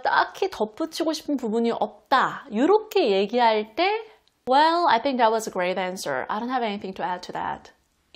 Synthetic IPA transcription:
t͈akʰitʌp͈ut͡ɕʰiɡoɕʰi̥pʰɯnpubuɲiʔʌp̚t͈ajoɾʌkʰe̞je̞ɡiɦaɭt͈e̞ | wɛlajθɪ̃ŋk̚ðæt̚wʌzəɡɹeɪɾæ̃nsə̰˞a̰jdont̚ɦɛveniθĩŋtʰuæd̚tʰuðæ̰t̚

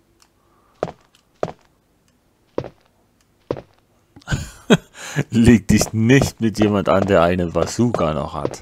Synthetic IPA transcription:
leːk̚d̥ɪçnɪçtmɪtjeːmantʔa̰ndeːɐʔaɪnəvasuːɡanɔ̰χha̰t

